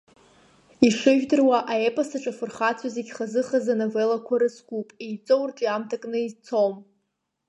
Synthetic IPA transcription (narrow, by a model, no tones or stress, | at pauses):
iʂɨʒᶣdɨrwaʔaepʼasaʈ͡ʂʼafɨrχat͡sʰazeɡʲχazɨχazanovelakʷʰaɾɨsɡʷupʼejt͡sʼowrʈ͡ʂʼiamtʰakʼnɨit͡sʰom